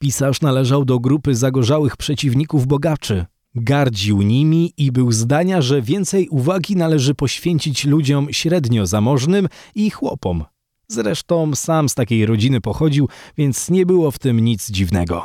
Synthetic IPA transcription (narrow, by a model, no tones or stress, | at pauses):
pʲisaʂnalɛʐawd̪ɔɡɾupɘzaɡɔʐawɘxpʂɛt͡ɕivɲikuvbɔɡat͡ʂɘ | ɡaɾd͡ʑiwɲimʲiibɘwzd̪aɲaʐɛvʲjɛnt̪sɛjʔuvaɡʲinalɛʐɘpɔɕfʲjeɲt͡ɕit͡ɕlud͡ʑɔmɕɾɛd̪ɲɔzamɔʐnɘmixwɔpɔm | zɾɛʂt̪ɔ̃w̃samst̪akʲejɾɔd͡ʑinɘpɔxɔd͡ʑiwvʲjɛnt̪sɲɛbɘwɔft̪ɘmɲit̪zd͡ʑivnɛ̰ɡɔ̰